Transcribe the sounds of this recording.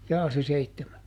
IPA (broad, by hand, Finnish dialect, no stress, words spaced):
jɑː se seitːemæ